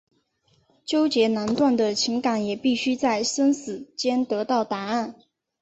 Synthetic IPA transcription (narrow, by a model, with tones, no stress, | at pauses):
t͡ɕjo˥ʊt͡ɕjɛ˧˥na˧˥nt̪wa˥˩nd̪ə˩t͡ɕʰi˧˥ŋka˨˥ŋjɛ˨˩pi˥˩ɕy˥t͡sa˥˩ɪsə˥nsɹ̩˨˩t͡ɕjɛ˥nt̪ɤ˧˥t̪ɑ˥˩ʊt̪a˧˥a˥˩n